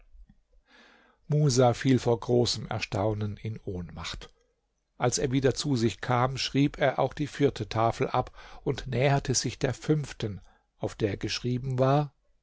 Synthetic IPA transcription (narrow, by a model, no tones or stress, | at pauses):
muːzafiːlfoːɐɡʁoːsəmɛ̰ɐʃtaʊnənɪnʔoːnmaχt | ʔalseːɐviːdɐt͡suzɪçkʰaːmʃʁ̥iːpʰeːɐʔa̰ʊxd̥iːfɪɐtʰətʰaːfl̩ʔapʔʊntnɛːɐtʰəz̥ɪçd̥eːɐfʏnftən | ʔaʊfd̥eːɐɡəʃʁ̥iːbm̩vaːɐ